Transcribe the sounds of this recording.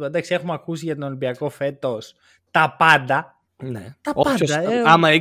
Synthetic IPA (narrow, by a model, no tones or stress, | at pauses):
end̪ɐksie̞xumɐkusiʝɐt̪oolimbiɐko̞fe̞t̪os | t̪ɐpɐnd̪ɐ | nḛt̪ɐopɐɐeɐmɐi